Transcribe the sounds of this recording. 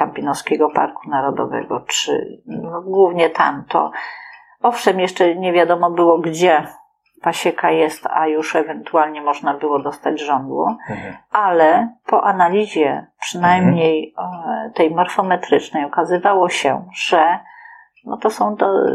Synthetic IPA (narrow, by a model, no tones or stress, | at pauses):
kampʲinɔfskʲɛɡɔpa̰ɾkunaɾɔd̪ɔ̰vɛ̰ɡɔt͡ʂɘ̰nɔɡwuvɲɛt̪a̰mt̪ʰɔ̰ | ɔfʂɛmjɛʂt͡ʂɛɲɛvʲjad̪ɔmɔbɘwɔɡd͡ʑɛ | paɕɛkajɛst̪ajuʂɛvɛnt̪ualɲɛmɔʐnabɘwɔd̪ɔst̪ad͡ʑʐɔnd̪wṵʔalɛpɔʔanalʲiʑɛpʂɘnajmɲej | t̪ɛjmɔɾfɔmɛt̪ɾɘt͡ʂnɛjɔkazɘvawɔɕɛ̰ʐ̥ɛ | nɔ̰t̪ɔsɔ̃w̃d̪ɔ